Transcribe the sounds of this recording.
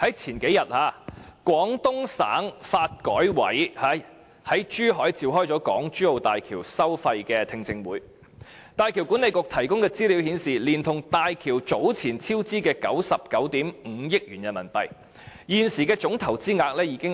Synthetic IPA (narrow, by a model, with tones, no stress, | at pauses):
hɐ˨˥jt͡sʰiː˨˩nke˨˥jɐ˨t̚haː˨˧kʷɔː˨˥ŋt̪ʊ˥ŋsa̰ː˨˥ŋfaː˧t̚kɔ̰ː˨˥jwɐ̰˨˥jhaː˨˥ | hɐ˨˥jt͡ʃyː˥ɦɔː˨˥jt͡siː˨˧wɦɔː˥jt͡sɔː˨˥kɔ̰ː˨˥ŋt͡ʃyː˥o˨˧wt̪aː˨jkʰiː˨˩wsɐ˥wfɐ˧jkɛː˧t̪ʰɪ˧ŋt͡sɪ˧ŋwuː˨˥j | t̪aː˨˧jkʰiː˨˩wkuː˨˥ne˨˧jkʊ˨k̚t̪ʰɐ˨˩jkʊ˥ŋkɛː˧t͡siː˥li˨˥whiː˨˥nsiː˨liː˨˩nt̪ʰʊ˨˩ŋt̪aː˨jkʰiː˨˩wt͡so˨˥wt͡sʰiː˨˩nt͡sʰiː˥wt͡siː˥kɛː˧kɐ̰˨˥wsɐ˨p̚kɐ˨˥wt̪iː˨˥mŋ̩˨˧jɪ˥k̚jyː˨˩njɐ˨nmɐ̰˨˩npɐ̰˨j | jiː˨nsiː˨˩kɛː˧t͡sʊ˨˥ŋt̪ʰɐ˨˩wt͡siː˥ŋaː˧k̚lɛː˥jiː˨˧˥kɪ˥ŋ